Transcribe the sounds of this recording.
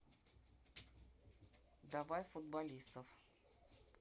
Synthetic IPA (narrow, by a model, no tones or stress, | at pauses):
d̪ɐvajfʊd̪bɐlʲist̪əf